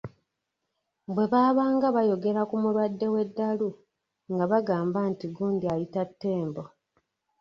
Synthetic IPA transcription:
bwe̞βaːβaːŋɡaβajo̞ɡe̞ɾakumuɾwadːe̞we̞dːalu | ŋɡaβaɡaːmbantiɡuːndiajitatːe̞ːmbo̞

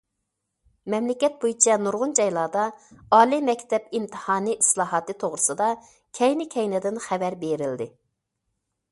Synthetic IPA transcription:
mɛmlɪkʲɛt̪̚bojit͡ʃʰɛnuɾʁʊnd͡ʒɑjlˠɑːd̪ɑɑːlˠimɛkʲt̪ɛpimt̪ʰɨ̥hɑːnɨʔislˠɑːɦɑt̪ɨt̪ʰoʁɾɨsɨd̪ɑ | kʲʰɛjnɪkʲʰɛjnɛd̪ɪnχɛvæɾbeɾɪld̪ɪ

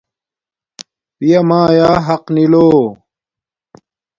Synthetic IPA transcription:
pijɐmãːjaːɦɐqniloː

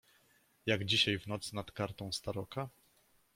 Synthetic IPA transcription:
jaɡd͡ʑiɕajvnɔt̪snat̪kaɾt̪ɔ̃w̃st̪aɾɔka

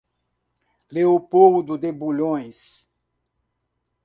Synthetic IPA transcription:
leopowd̪ʊd̪ebuʎõj̃s

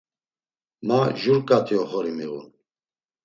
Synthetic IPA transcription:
maʒuɾkʼat̪ʰʼiɔχɔɾimiɣṵn

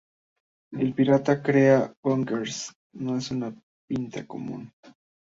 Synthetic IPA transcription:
ɪlpiɾat̪akɾeawaŋkeɾs | noesʊna | pɪnt̪akomṵn

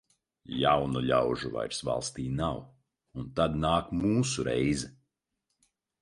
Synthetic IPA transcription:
jawnuʎʲawʒuva̰jɾsva̰lˠst̪iːnaw | unt̪ad̪naːkmuːsuɾɛjzɛ

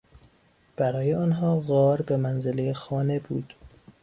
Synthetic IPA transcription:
b̥æɾɒːje̞ɒːnɦɒːɣɒːɾbemænzelejexɒːne̞buːd̪̥

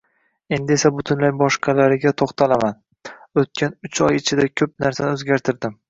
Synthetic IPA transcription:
e̞nd̪ɪe̞sabʊt̪ʰɪnlajbɒʃqʰɑlaɾɪɡʲat̪ʰoχt̪ʰalaman | ot̪̚kʲʰanʊt͡ʃʰɒjɪt͡ʃʰɪd̪akʲʰɵp̚naɾsanɪɵzɡʲaɾt̪ʰɪɾd̪ɪm

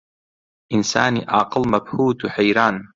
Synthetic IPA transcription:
ʔɪnsaːniʔɑːqɨlmabhuːt̪ħajɾaːn

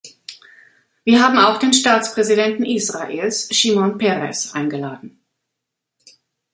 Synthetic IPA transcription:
viːɐɦaːbm̩aʊxd̥eːnʃtaːt͡spʁ̥ɛzidɛntn̩ʔisʁ̥aʔeːlsʃiːmɔnpɛʁɛ̰sʔa̰ɪnɡəlaːdn̩

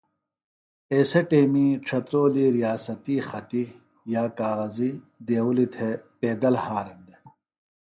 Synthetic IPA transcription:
eːseʈeːmiʈ͡ʂʰɐt̪ɾoːliɾijaːsɐt̪iːxɐt̪i | jaːkaːɣɐzi | d̪eːwulit̪ʰepeːd̪ɐlhaːɾɐnd̪e

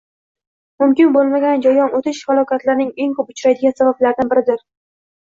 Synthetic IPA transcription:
mʊmkʲɪnbolˠmaɡʲand͡ʒajɒnot̪ʰɪʃhalˠɒkʲat̪laɾnɪŋeŋkopʊt͡ʃʰɾajd̪ɪɡʲansabablaɾd̪anbɪɾɪd̪ɪɾ

